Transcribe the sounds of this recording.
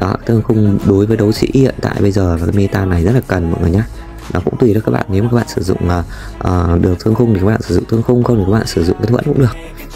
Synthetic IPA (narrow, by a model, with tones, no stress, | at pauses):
ɗɔ˨˦a˧˦t̪ʰɨ˧ə˧ŋxʊ˧ŋ͡mɗo˨˦jvəː˨˦jɗə˨˦wsḭ˧˥hḭ˧˨ənt̪a̰ː˧˨jɓə˧jzəː˨˩aː˨˩kaː˨˦jmi˧t̪aː˧na˨˩jzə˦˥t̚la˨˩kə˨˩nmɔ̰˨jŋɨ˨˩əɲaː˧ | ɗɔ˨˦kʊ̰˧˥ŋ͡mt̪wi˨˩ɗkaː˦˥ɓa̰ː˧˨nːe˨˦wmː˨˩kaː˦˥ɓ̰aː˧˨sɨ˧˩zʊ̰˧˨ŋ͡məː˨˩ | ʔəː˨˩ɗɨ˨˩ək̚t̪ʰɨ˧əŋxʊ˧ŋ͡mni˨˩a˦ɓaː˧˨sɨ˧˩z̰ʊ̰˧˨ŋ͡mt̪ʰə˧ŋxʊ˧ŋ͡mxŋ͡mni˨˩kaː˦kɓaː˧˨sɨ˧˩zʊ̰˧˨ŋ͡mka˨˦jt̪wə̰˧˥nkʊ̰˧˥ɨ˨˩ək̚